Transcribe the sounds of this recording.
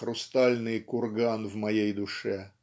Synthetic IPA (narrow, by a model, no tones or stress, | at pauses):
ɾʊst̪alʲnɨjkʊrɡanvmɐjejd̪ʊʂɛ